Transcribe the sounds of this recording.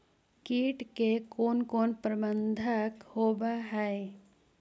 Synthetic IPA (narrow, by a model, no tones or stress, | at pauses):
kiːʈkekoːnkoːnpɾəbə̃nd̪ʱəkhoːbaɦɛe